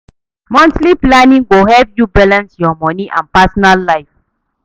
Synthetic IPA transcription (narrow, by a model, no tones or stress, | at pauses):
mɔ̃ntliplanĩŋɡoɦɛvjubalãnsjɔmɔ̃niʔã̰npasɔnalːaɪf